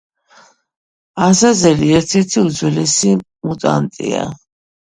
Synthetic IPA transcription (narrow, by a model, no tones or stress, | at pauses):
asazɛliɛɾt̪ʰɛɾt̪ʰiud̪zwɛlɛsi | mut̪ʼa̰nt̪ʼḭa̰